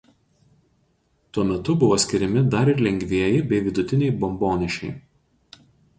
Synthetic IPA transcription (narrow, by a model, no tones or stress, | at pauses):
t̪uɔmʲɛt̪ʊbʊʋoːsʲkʲɪɾʲɛmʲɪd̪ɐɾɪɾlʲɛŋʲɡʲʋʲiɛjɪbʲɛɪʋʲɪd̪ʊt̪ʲɪnʲɛɪbɔmboːnʲɪʃʲɛɪ